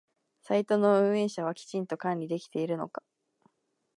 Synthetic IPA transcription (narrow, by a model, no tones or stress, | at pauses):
sait̪o̞no̞ɯ̟̃ɰ̃e̞ːɕaβ̞akʲi̥t͡ɕĩnt̪o̞kãnʲɾʲid̪e̞kʲi̥t̪e̞iɾɯ̟no̞̰kḁ